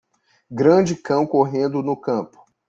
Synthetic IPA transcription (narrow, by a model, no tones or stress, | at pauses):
ɡɾɐ̃d͡ʒɪkɐ̃w̃koɦẽnd̪ʊnʊkɐ̃pʊ̥